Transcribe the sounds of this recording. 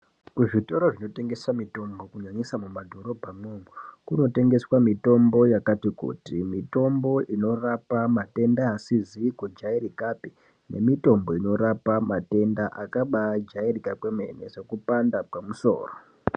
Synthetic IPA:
kuʐito̞ɾoʐino̞te̞ŋɡe̞samito̞mbo̞kuɲaɲisamumadʱo̞ɾo̞bʱameŋukuno̞te̞ŋɡe̞swamito̞mbo̞jakatikṵtimito̞mbo̞ʔino̞rapamate̞ndaːsizikud͡ʒaiɾikapi | ne̞̰mito̞mbo̞ino̞ɾapamate̞ndaʔakaɓad͡ʒairikapwemḛnḛʐekupandapamuso̞̰ːro

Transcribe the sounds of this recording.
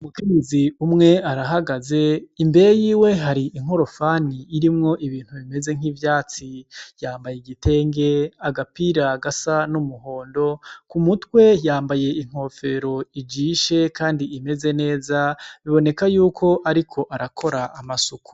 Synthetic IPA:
umukeɲeziumŋe̞aɾaɦaɡaze̞imbe̞ɾejiːwe̞ɦaɾiʔiŋ̥o̞ɾo̞faːniːɾimŋo̞ʔiβiːn̥huβime̞ze̞ŋ̥iːvjaːt͡sijaːmbajeɡite̞ːŋɡe̞aɡapiɾaɡasanumuɦo̞ːndo̞kumutwe̞jaːmbaje̞iŋ̥ho̞ːfe̞ɾo̞id͡ʒiːʃe̞kʰaːndiːme̞ze̞ne̞ːzaβiβo̞ne̞kajuːkʰo̞ʔaɾikʰo̞ʔaɾakʰo̞ɾaʔːmasuku̥

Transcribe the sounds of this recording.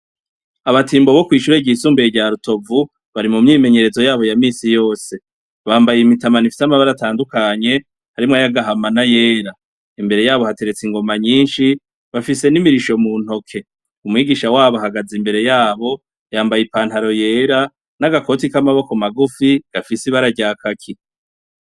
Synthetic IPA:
aβatiːmbo̞βo̞kwiːʃuɾeɟisuːmbeɟaɾuto̞vu | βaɾimumɲiːme̞ɲe̞ɾe̞zo̞jaːβo̞jamiːsijo̞ːse̞ | βaːmbajimitamanifi̥samaβaɾataːndukaɲe̞ | haɾimŋajaɡaɦamanaje̞ːɾa | imbe̞ɾe̞jaːβohate̞ɾe̞t͡siŋɡo̞maɲiːnʃi | βafise̞nimiɾiʃo̞mun̥o̞kʰe̞ | umwiːɡiːʃawaːβoɦaɡazimbe̞ɾe̞jaːβo̞ | jaːmbajipaːnhaɾo̞je̞ːɾa | naɡako̞ːtikamaβo̞komaɡufiɡ̥afisiβaɾaɟaːkʰakʰi

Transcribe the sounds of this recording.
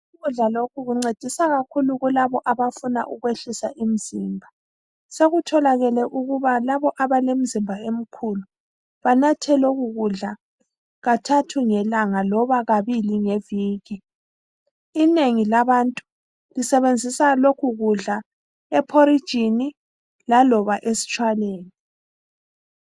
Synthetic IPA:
uɣuɮalokʰuɣuŋ͡ǀed̥ʱisaɣakʰuluɣulaβɔʔaβafuna̰ʔuɣweɬisaʔim̩z̥iːmbʱa | seɣutʰɔlaɣɛlɛʔuɣuβalaβɔʔaβalem̩zimbʱaem̩kʰulu | βanatʰɛlɛɣuɣuɮa | ɣatʰatʰuŋɛlaŋalɔβaɣaβiliŋeviːɣi | ineŋilaβantʼu | lisɛβend͡zʱisalokʰuɣuɮa | ɛpʰoɾid̥ʒ̥ʱini | lalɔβaʔesi̥t͡ʃʼwaleːni

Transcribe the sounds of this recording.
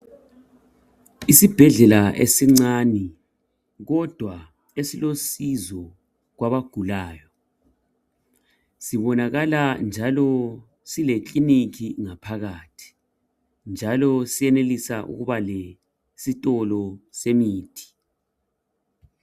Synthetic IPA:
isib̥ʱɛɮɛlaʔḛsiŋ͡ǀaːni | ɣɔd̥ʱwa | esilosizɔ | ɣwaβaɡ̥ʱulaːjɔ | siβɔnaɣaland͡ʒʱalɔ | silekʼinikʰiŋapʰaɣaːtʰi̥ | nd͡ʒʱalɔsijɛnelisaʔṵɣuβale | sitʼɔlɔsemiːtʰi̥

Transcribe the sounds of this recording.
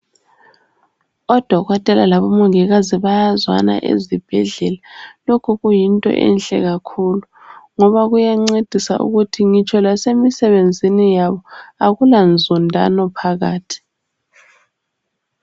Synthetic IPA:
ɔd̥ʱɔɣɔtʼɛlalaβɔmuŋɛɣaziβajazwa̰na̰ʔḛzib̥ʱɛɮɛlalokʰuɣujintʼɔ̰ʔɛ̰nɬʼɛ̰ɣakʰulu | ŋɔβaɣujaŋ͡ǀed̥ʱisa̰ʔṵɣutʰiŋit͡ʃʰʼɔlasemisɛβend͡zʱinijaβɔaɣuland͡zʱundʱa̰nɔpʰaɣaːtʰi̥

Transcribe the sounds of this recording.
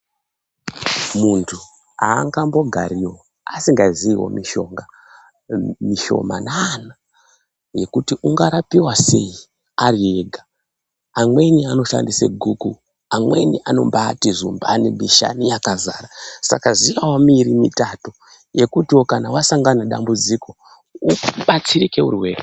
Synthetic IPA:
muntʰu | aːŋɡambo̞ɡʱa̰ɾiwo | a̰siŋɡaziiwo̞̰miʃo̞ŋɡa | miʃo̞̰ma̰nana | je̞kutiʔuŋɡaɾapiwase̞i | arie̞ɡʱa | amwe̞niano̞ʃa̰ndisḛɡʱuku | amwe̞niʔano̞̰mbatiʐumba̰nimiʃa̰nijakazaːɾasa̰kazijawomiɾimitato | je̞kutiwo̞kanawasaŋɡanaɗa̰mbud͡ziko̞ | uɓat͡siɾike̞ṵrweːre

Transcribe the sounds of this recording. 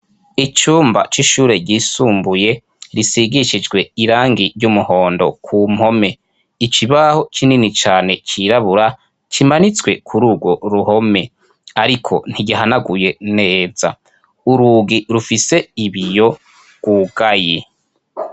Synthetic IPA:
it͡ʃuːmba̰t͡ʃiʃuːɾe̞ɟiːsuːmbuje̞ | ɾisiɡiʃid͡ʒɡwe̞iɾaːŋɡiɾɟumuho̞ːndo̞̰kʰum̥ho̞me̞ | it͡ʃiβaho̞t͡ʃininit͡ʃaːne̞t͡ʃiɾaβuɾa | t͡ʃimanit͡swe̞kʰuɾuːɡwo̞ɾuho̞me̞ | aɾikʰo̞̰n̥iɟiɦanaɡuje̞ne̞ːz̥a̰ | uɾuːɡiɾufise̞iβijo̞ | ɡ̥wuɡaje

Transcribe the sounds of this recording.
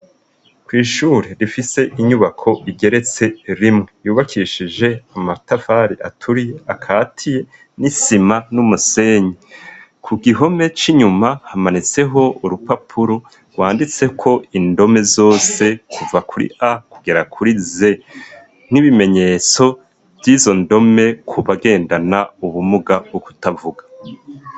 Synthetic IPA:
kwiːʃuːɾe̞ɾifise̞ʔiɲuβakʰo̞ʔiɡe̞ɾe̞t͡se̞ɾimŋe̞juːβakʰiʃid͡ʒe̞amatafaɾiʔa̰tʰuɾije̞akʰaːtʰije̞ | nisimanumuse̞ːɲekʰuɡiɦo̞me̞t͡ʃiɲumahamanit͡se̞ɦo̞uɾupapʰuɾo̞ | ɡwaːndit͡se̞kʰo̞indo̞me̞zo̞ːse̞kuvakʰuɾḭʔakuɡe̞ɾakʰuɾize̞ | n̥iβime̞ɲe̞ːt͡so̞ | vjiːzo̞ndo̞me̞kʰuβaɡe̞ːndanauβumuɡabɡoku̥tavuɡḁ

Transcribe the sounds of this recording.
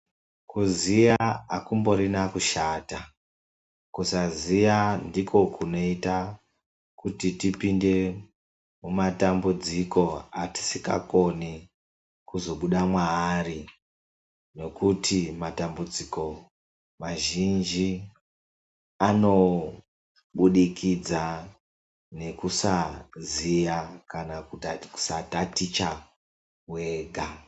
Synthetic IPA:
kuzijaakumbo̞ɾinakuʃaːta | kusazijandikʰo̞kuno̞ita | kutitipinde̞ | mumatambud͡ziko̞ati̥sika̰ko̞ni | kuzo̞ɓuɗamwaːri | no̞kutʰimatambud͡ziko̞ | maʒind͡ʒi | ano̞ | ɓuɗikʰid͡za | ne̞kusazijakanauku̥satatit͡ʃa | we̞ɡʱa

